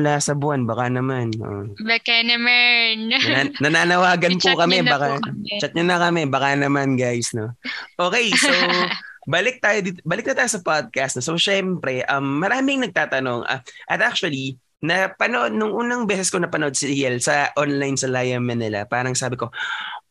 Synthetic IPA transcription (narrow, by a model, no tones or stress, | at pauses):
laːsɐbʊanbaːkanɐmanʔo̰ | bɛkɛnɐmɐnanɐnaːnɐwaːɡɐnpʊkɐmɛb̪baːkat͡ʃɐt̪̚ɲonɐkɐmɛbaːkanɐmanɡajsnoʔoːkɛjsowbɐlɪk̚t̪aːjod̪iːt̪obɐlɪk̚nɐt̪aːjosɐpad̪̚kast̪nosowʃɛmpɾɛʔɐmːɐɾaːmɪŋnɐɡ̚t̪aːt̪ɐno̞ŋʔɐ̰ʔɐt̪ʔak̚t͡ʃʊɐli | nɐpɐnoʔod̪̚nʊŋʔuːnɐŋbɛːsɛskonɐpɐnoʔod̪̚sɪɾiɛlsɐʔonlajnsɐlajɐmːɐnɪla̰paːɾɐŋsaːbɪko̞